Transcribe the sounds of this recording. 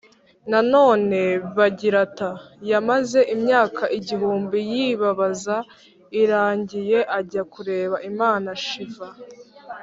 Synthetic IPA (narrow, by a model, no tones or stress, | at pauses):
nano̞ːne̞βaɟiɾata | jamaze̞ʔimɲaːkʰaʔiɟiɦuːmbijiβaβaza | iɾaːɲɟije̞ʔaɟakuɾe̞ːβaʔimaːnaʃiva